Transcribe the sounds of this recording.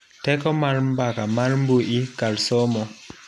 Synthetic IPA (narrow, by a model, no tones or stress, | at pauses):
tɛkɔmaɾmbakamaɾmbuʔikalsɔmɔ